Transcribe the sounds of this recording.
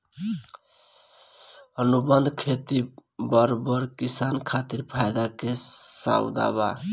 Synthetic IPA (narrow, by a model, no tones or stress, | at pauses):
ənubənd̪ʱkʰet̪ibəɾbəɾkisankʰat̪iɾpʰajd̪akesa̰wd̪a̰ba̰